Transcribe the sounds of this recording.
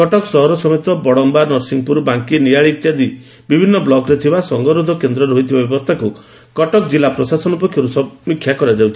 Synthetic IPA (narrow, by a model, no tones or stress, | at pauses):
kɔʈɔksɔɦɔɾɔsɔmet̪ɔbɔɽɔmbanɔɾsiŋpuɾbaŋkiniaɭit̪jad̪i | bibʱinːɔblɔɡɾet̪ʰibasɔŋɡɔɾud̪ʱɔkend̪ɾɔɾɦoit̪ʰibabjɔbɔst̪ʰaku | kɔʈɔkd͡ʒilapɾɔsasɔnɔpɔkʰjɔɾusɔmikʰːjakɔɾad͡ʒawt̪ʰi